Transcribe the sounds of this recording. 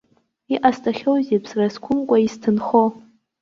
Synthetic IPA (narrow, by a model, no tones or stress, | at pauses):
iʔastʰʼaχʲowzepʰsraskʷʰʊmkʷʼaistʰɨnχo